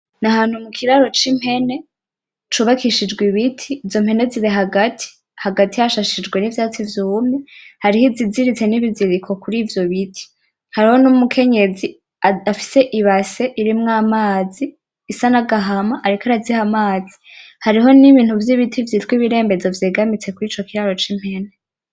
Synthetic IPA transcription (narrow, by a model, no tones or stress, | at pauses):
nahaːn̥humukʰiɾaɾo̞t͡ʃim̥he̞ne̞ | t͡ʃuβakʰiʃid͡ʒɡwiβitʰiːzo̞mhe̞neziɾeɦaɡatʰi̥ | haɡatihaʃaʃid͡ʒɡwe̞nivjaːt͡sivjuumihaɾihiziziɾit͡se̞niβiziɾikʰo̞kuɾiːvjo̞βitʰi̥ | haɾiho̞numukʰe̞ɲe̞zi | afi̥se̞ʔiβase̞ʔiɾimŋaːmaːziː | sanaɡaɦamaʔaɾikaɾazihamaːzi̥haɾiɦo̞niβiːn̥uvjiβitʰivjiːtkwiβiɾe̞ːmbe̞zovjeːɡamit͡se̞kuɾiːt͡ʃo̞kiɾaɾo̞t͡ʃim̥he̞ne